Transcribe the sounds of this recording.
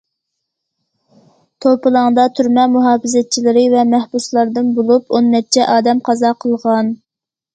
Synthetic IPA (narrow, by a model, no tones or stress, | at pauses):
t̪ʰopɨlˠɑŋd̪ɑt̪ʰyɾmɛmuɦɑːpɨzɛt͡ʃʰilɪɾɪvɛmæhbuslˠɑɾd̪ɨnbolˠuponːɛt͡ʃʰɛʔɑːd̪ɛmqʰɑzɑqʰəlˠʁɑn